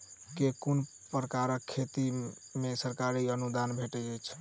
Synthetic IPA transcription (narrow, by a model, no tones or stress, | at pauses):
kekun | pɾəkaɾəkʰːet̪i | mesəɾkaɾiənud̪anbʱeʈɛd͡ʒəjt͡ʃʰ